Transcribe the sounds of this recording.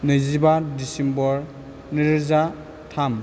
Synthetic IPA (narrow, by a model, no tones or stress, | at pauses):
nɯjzibadisimbɔɾ | niɾza | tʰam